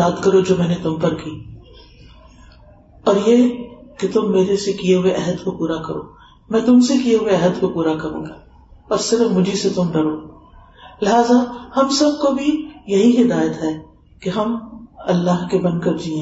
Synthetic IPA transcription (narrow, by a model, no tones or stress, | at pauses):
aːd̪kɐɾod͡ʒoːmɛ̃ːnet̪ʊmpɐɾkiː | ɔːɾjeket̪ʊmːeːɾesekijeɦʊeʔɛɦəd̪kopuːɾakɐɾo̰ː | mɛ̃ːt̪ʊmsekijeɦʊeɛɦəd̪kopuːɾakɐɾṵ̃ːɡaː | ɔːɾsɪɾəfmʊd͡ʒʱiset̪ʊmɖɐɾoː | lɪɦaːzahɐmsɐb̚kobʱijɐɦiɦɪd̪aːjət̪ɦɛː | keɦɐmɐlːaɦkebɐ̃nd̪kɐɾd͡ʒiːẽː